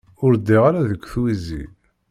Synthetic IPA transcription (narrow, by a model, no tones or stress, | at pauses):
ʊɾd̪ːiʁaɾaðəkʷːθwizḭ